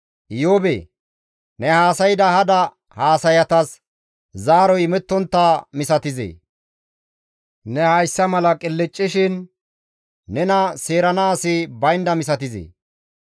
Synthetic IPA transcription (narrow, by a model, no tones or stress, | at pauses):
ʔɪjoːbḛː | nɛhaːsɐjɪd̪ɐhɐd̪ɐ | haːsɐjɐt̪ɐs | zaːɾɔjmɛt̪ːɔnt̪ːaːmɪsɐt̪ɪzḛː | nɛhɐjsːɐmɐlɐkʼɪlːɪt͡ʃʼːɪʃɪn | ɛnɐse̞ːɾɐnaːsɪbɐjnd̪ɐmɪs̬ɐt̪ɪzḛː